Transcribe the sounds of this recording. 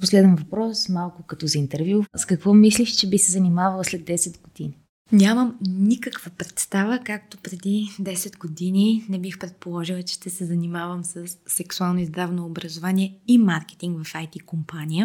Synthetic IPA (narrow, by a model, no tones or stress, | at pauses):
poslɛd̪ɛnvɐpɾɔsmalˠkʊkɐt̪ɔzɐint̪ɛɾvʲjuskɐkvɔmis̬liʃt͡ʃɛbisɛzɐnimavɐlˠslɛd̪ːɛsɛd̪ɡod̪ini | nʲaməmnikəkv̥əpɾɛt̪st̪avəkak̚t̪opɾɛd̪id̪ɛsɛd̪ɡod̪ininɛbixpɾɛt̪̚polˠɔʒilˠət͡ʃɛ̥ʃt̪ɛsɛzɐnimavəmsəsːɛksualˠnoizd̪ɾavnoːbɾɐzovaniɛimaɾkɛ̥t̪iŋɡvɐfajt̪ikompanʲijə